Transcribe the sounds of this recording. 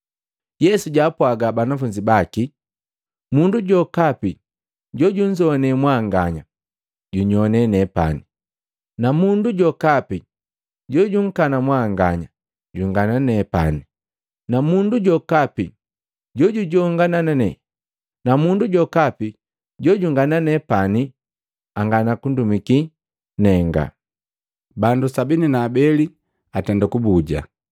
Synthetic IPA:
jɛsuɟapwaɡabanafuɲd͡ʒibaki | munduɟɔkapi | ɟɔɟuɲ̩d͡ʒɔnɛmwaŋɡaɲa | ɟuɲɔnɛnɛpa̰ni | namunduɟɔkapi | ɟɔɟuŋ̩kanamwaŋɡaɲa | ɟuŋɡananɛpa̰ni | namunduɟɔkapi | ɟɔɟuɟɔŋɡanananɛ | namunduɟɔkapi | ɟɔɟuŋɡananɛpani | aŋɡanakundumiki | nɛŋɡa̰ | bandusabininaːbɛli | atɛndakubuɟa̰

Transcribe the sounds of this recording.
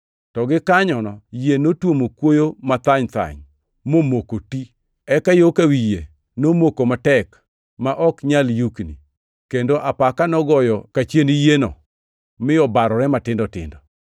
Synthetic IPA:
tɔɡɪkaɲɔnɔjenotwomokwojomat̪aɲt̪a̰ɲ | momokoti | ɛkajokawije | nomokomatɛk | maʔɔkɲaljuknḭ | kendoʔapakanɔɡɔjɔkat͡ʃenijenɔ̰ | mɪjɔbaɾɔɾɛmatɪndɔtɪ̰ndɔ

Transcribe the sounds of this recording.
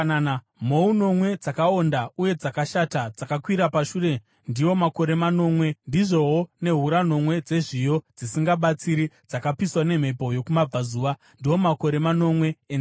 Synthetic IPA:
nana | mo̞uno̞mwe̞d͡zakaondauje̞d͡zakaʃatad͡zakakwiɾapaʃuːre̞ | ndiwo̞mako̞ɾe̞mano̞mwe̞ndiʐo̞wone̞ɦuɾano̞mwe̞d͡ze̞ʐijo̞d͡zisiŋɡaɓat͡siɾid͡zakapiswane̞m̤e̞po̞jo̞kumab͡vazuːʋa | ndiwo̞mako̞ɾe̞mano̞mwe̞ːn

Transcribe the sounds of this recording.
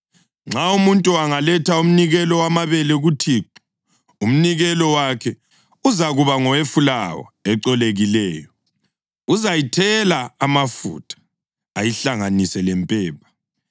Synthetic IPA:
ŋ͡ǁaumuntʼuaŋalɛtʰaum̩niɣɛlɔwamaβɛlɛɣutʰiːǃu̥ | um̩niɣɛlɔwakʰɛ | uzaɣuβaŋɔwefulawɔ̰ɛǀɔleɣilɛːjɔ | uzajitʰɛlaːmafṵtʰʼḁ | ajiɬaŋanisɛlɛmpʼɛːpʰḁ

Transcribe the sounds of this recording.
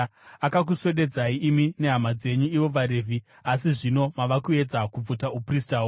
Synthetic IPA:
akak̬usweɗe̞d͡zaiʔːmine̞ɦamad͡ze̞ɲuiʋo̞ʋaɾe̞vʱi | asiʐino̞maʋakue̞d͡zakub͡vutaupristaːwo

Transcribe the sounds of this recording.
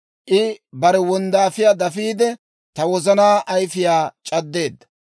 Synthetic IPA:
ʔɪbɐɾɛwɔnd̪aːfɪjaːd̪ɐfiːd̪ɛ | t̪ɐwɔzɐnaːʔɐjfɪjaːt͡ʃʼɐd̪ːe̞ːd̪ːɐ̥

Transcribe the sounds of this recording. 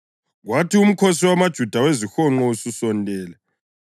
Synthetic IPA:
ɣwatʰium̩kʰɔsiwamad̥ʒ̥ʱud̥ʱawezixɔŋ͡ǃɔususɔntʼɛːlɛ

